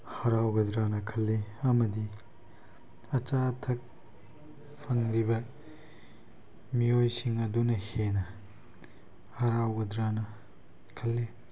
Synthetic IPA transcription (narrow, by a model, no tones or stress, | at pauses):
hɐɾawɡɐdɾanɐkʰɐlːeɐmɐdi | ɐt͡ʃatʰɐk̚ | pʰɐŋɾibɐ | miojsiŋɐdunɐhenɐ | hɐɾawɡɐdɾanɐ | kʰɐlːe